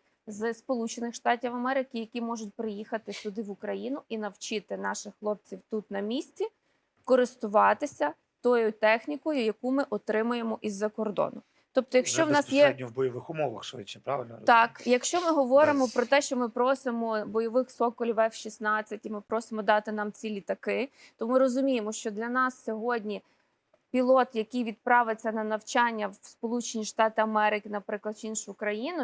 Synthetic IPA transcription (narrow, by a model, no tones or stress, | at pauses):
zspɔlˠut͡ʃenɪxʃt̪ɑtʲiwɐmɛɾɪkɪjɐkʲimɔʒʊt̚ʲpɾɪjixɐt̪ɪsʲʊd̪ɪʋʊkɾɐjinʊinɐwt͡ʃɪt̪ɪnɑʃɪxːlˠɔp̚t͡sʲiwt̪ut̪nɐmʲisʲt͡sʲi | kɔɾɪst̪ʊʋɑt̪ɪsʲɐ | t̪ɔjʊt̪ɛxnʲikɔjʊjɐkumɪʔɔt̪ɾɪmʊje̞mɔʔizːɐkɔrd̪ɔ̰nʊ | t̪ɔp̚t̪ɔjɐkʃt͡ʃɔwnɑsjɛɔdʲnʲiwbɔjɔʋɪxʊmɔʋɐ̰xʃit͡ʃnʲɛpɾaʋɪ̰lʲnɔ̰t̪ɑkjɐkʃt͡ʃɔmɪɦɔʋɔɾɪmɔpɾɔt̪ɛʃt͡ʃɔmɪpɾɔsɪmɔbɔjɔʋɪxsɔkɔlʲiʋɛwʃisnɑt͡sʲːɐtʲimɪpɾɔsɪmɔd̪ɑt̪ɪnɑmt͡sʲilʲit̪ɐkɪt̪ɔmɪɾɔzʊmʲijemɔʃt͡ʃɔd̪lʲɐnɑsːʲɔɦɔdʲnʲi | pʲilˠɔt̪jɐkɪjʋʲid̪̚pɾɑʋɪt͡sʲːɐnɐnɐwt͡ʃɑnʲːɐwspɔlˠut͡ʃenʲiʃt̪ɑt̪ɪɐmɛɾɪkɪnɐpɾɪklˠɐd̪t͡ʃinʃʊkɾɐjinʊ